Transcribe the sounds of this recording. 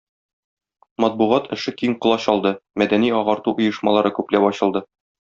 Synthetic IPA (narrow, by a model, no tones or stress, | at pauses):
mɒt̪̚buʁɑt̪ʰɘ̆ʃɘkiɴqŏlˠɑɕɒlˠd̪ɤmæd̪æniɒʁɑɾt̪uʔŏjɤ̆ʃmɑlˠɑɾɤkʉplæpɒɕɤ̆lˠd̪ɤ